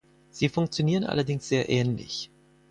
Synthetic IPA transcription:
z̥iːfʊŋk̚t͡sjoniːʁənʔa̰lɐdɪŋsz̥eːɐʔɛːnlɪ̰ç

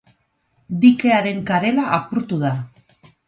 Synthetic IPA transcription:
d̪ike̞aɾe̞ŋkaɾe̞laʔapuɾt̪uð̞a

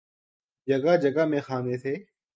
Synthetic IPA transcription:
d͡ʒəɡaːd͡ʒəɡaːmẽːxaːnẽːt̪ʰeː

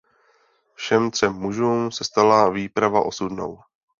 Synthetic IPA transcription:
fʃɛmt̪r̝̥ɛmːuʒuːmsɛst̪alaviːpɾavaʔo̞sudno̞̰w

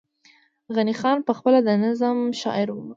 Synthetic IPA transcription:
ɣanixɑnpəxpəlad̪ənazamʃɑ̰ɪɾwum

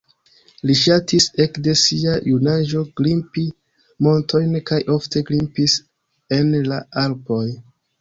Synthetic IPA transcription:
liʃatise̞kde̞siajunaʒo̞ɡ̥limpi | mo̞ntʰo̞jnkajʔo̞ftʰe̞ɡlimpis | e̞nlaalpo̞j

